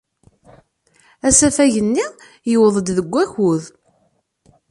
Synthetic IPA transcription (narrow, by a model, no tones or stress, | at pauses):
æsæfæjənːi | jəwəðˤəd̪ðəɡʷːæçuð